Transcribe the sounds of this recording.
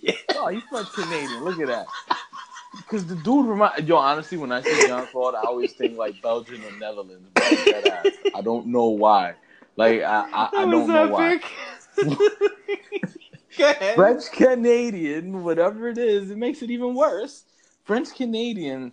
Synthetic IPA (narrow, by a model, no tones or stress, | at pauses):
joajɨfɹɛ̃nt͡ʃkʰɨneɪɾiɨ̃nlʊkɨt̪̚ðæ̰t̚ | kʰʌzðɨdud̚ɹɨmãɪjoɑnɨstˡliwə̃naɪsɪ̃ãnfɔɾaɪɔlˠwiz̥θɪ̃ŋklaɪk̚b̥ɛlˠd͡ʒɨ̃mɨ̃nːɛðə˞lə̃ndzbɛɾaɪdõʊ̃nːoʊwaɪ | laɪka̰ʔa̰ɪʔaaɪwõz̃ʊ̃aɪk | fɹɛ̃nt͡ʃkʰɨneɪɾiɨ̃nwʌɾɛvə˞ɨɾɪzɨt̚meɪksɨɾivə̃nwɜ˞s | fɹɛ̃nt͡ʃkʰɨneɪɾiɨ̃n